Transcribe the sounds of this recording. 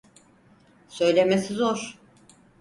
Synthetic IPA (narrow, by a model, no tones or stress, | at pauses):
sø̞jlʲemesizoɾ̥